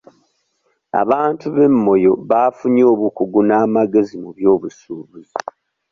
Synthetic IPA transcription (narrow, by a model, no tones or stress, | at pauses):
a̰βaːntuβe̞mːo̞jo̞βaːfuɲo̞ːβukuɡunaːmaɡe̞zimuβjo̞ːβusuːβuzi